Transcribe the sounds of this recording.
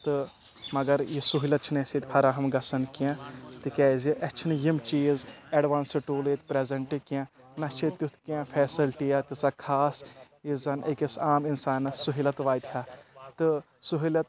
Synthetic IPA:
t̪ɨ | mɐɡɐɾjisuɦilɐt̪̚t͡ʃʰinesit̪ʲpʰɐɾaɦɐmɡɐsɐnkiãt̪ɨkɛːziʔɐt͡ʃʰinjimt͡ʃiːzeɖʋaːnsɨʈuːleːt̪pɾezɐɳʈikiã | nɐt͡ʃʰit̪ut̪ʰkãːfʰɛːsɐlʈijat̪isakʰaːs | izɐnekisaːminsaːnːɐsuɦilɐt̪ʋaːjt̪haːt̪ɨ | suɦilɐt̪̚

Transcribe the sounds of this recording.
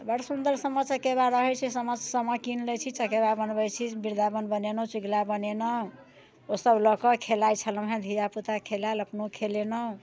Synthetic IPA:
bəɽsund̪əɾsəmət͡ʃəkebaɾəɦɛt͡ʃʰisəməd͡ʒsəməkinlɛt͡ʃʰit͡ʃəkeβabənbəjt͡ʃʰibiɾd̪ʱabənbənenɔt͡ʃiɡlabənenɔ | osəblɔkɔkʰelajt͡ʃʰələmɦad̪ʱijaput̪akʰelaləpnokʰelenɔ

